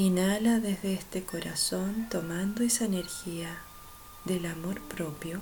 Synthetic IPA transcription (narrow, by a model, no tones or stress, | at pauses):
inalaðezðeest̪eko̞ɾaso̞nt̪omand̪oesaeneɾxia | ðelamo̞ɾpɾopjo